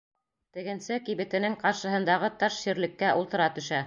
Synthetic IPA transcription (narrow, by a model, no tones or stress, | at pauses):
t̪ɘ̆ɡɘ̆nsɘkiβɘ̆t̪ɘ̆nɘŋqɑɾʃɤ̆ɦɤ̆nd̪ɑʁɤt̪ɑʃɕiɾlɘ̆kːæʔulˠt̪ɤ̆ɾɑt̪ɵ̆ʃæ